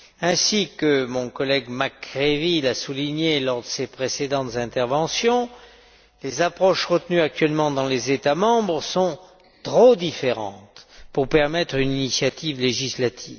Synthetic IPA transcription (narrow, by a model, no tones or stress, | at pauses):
ɛ̃sikəmɔ̃kɔlɛɡmakʁevilasuliɲelɔʁd̪əsepχesed̪ɑ̃t̪zɛ̃t̪ɛʁvɑ̃sjɔ̃ | lezapχɔʃʁət̪nyak̚t̪ɥɛlmɑ̃d̪ɑ̃lezet̪amɑ̃bʁsɔ̃ | t̪χod̪ifeʁɑ̰̃t̪puʁpɛʁmɛt̪χyninisjat̪ivleʒislat̪ʰiv